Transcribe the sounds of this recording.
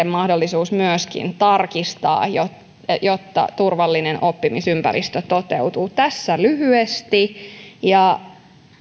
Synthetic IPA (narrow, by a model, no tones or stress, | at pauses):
emmːɑhdolːisuːsmyøskḭnt̪ɑrkist̪ɑ̰ːjo | jot̪ːɑ̰t̪urʋɑlːinenʔo̞pːimisympæ̰ɾḭst̪øt̪ot̪ḛwt̪uːt̪æsːælyhyest̪ijɑ